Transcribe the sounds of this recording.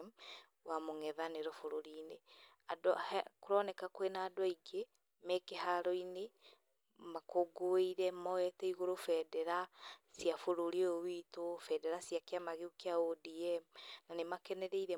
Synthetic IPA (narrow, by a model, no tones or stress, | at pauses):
m | wamoŋɛðaneɾɔfoɾoɾiːne | adɔhɛkoɾɔnɛkakwenaːdwɔiɡe | mɛkeɦaɾɔine | makoɡoeiɾɛmɔɛtɛiɣoɾofɛdɛɾasiafoɾoɾiowitofɛdɛɾasiakeamaɣeukeaodiɛmnanemakɛnɛɾeiɾɛ